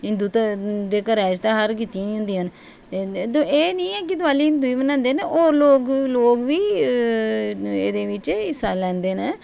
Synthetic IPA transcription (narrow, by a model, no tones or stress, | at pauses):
ɪnd̪uːt̪ad̪eːkəɾɛːd͡ʒt̪ãːɦəɾk̬it̪ijãːĩɦʊ̃nd̪iːən | t̪eːd̪õeːnĩːɛːk̬ɪt̪ʊʋaːliːɪnd̪uiːbənãːnd̪eːneʔoːɾloːkloːkʋiː | ḛːd̪eːʋɪt͡ʃɪsːaːlɛ̃ːnd̪eːneː